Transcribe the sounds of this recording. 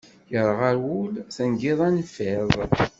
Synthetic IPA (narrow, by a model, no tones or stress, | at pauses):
jəɾˤʁaɾwulθənɡɪðˤænfɪðˤ